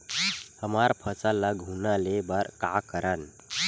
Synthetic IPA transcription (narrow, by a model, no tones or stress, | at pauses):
həmaɾpʰət͡salaɡʱunalebaɾkakəɾan